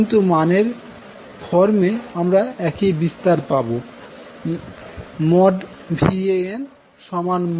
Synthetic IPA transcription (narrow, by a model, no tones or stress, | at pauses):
nt̪umaneɾ | d̪ʱɔɾmeamɾaɛkibist̪aɾpabo | mɔɖbʱieen | ʃɔmanm